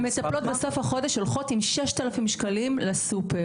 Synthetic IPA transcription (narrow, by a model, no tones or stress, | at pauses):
me̞t̪aplo̞tbeso̞fhaχo̞deʃholχo̞timʃeʃt̪alafimʃkalimlesupeʁ